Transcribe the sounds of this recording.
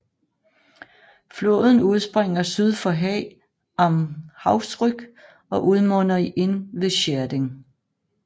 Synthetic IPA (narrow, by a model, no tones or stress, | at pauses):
flo̝̰ð̞ˠn̩uð̞ˠsb̥ʁeŋ̰ɐsyð̞ˠfɒ̽ɦɛ̰ː | ɑmhɑ̈ʊssʰʁyɡ̥ | ɒ̽ʔuð̞ˠmɔ̽nɐiʔe̝nʋe̝ɕeɐd̥eŋ